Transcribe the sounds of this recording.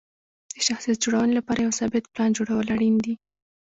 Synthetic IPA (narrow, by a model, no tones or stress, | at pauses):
d̪̥əʃaxsijat̪̚d͡ʒoɽawənelapɑɾajawsɑbɪt̪plɑnd͡ʒoɽawəlaɽind̪i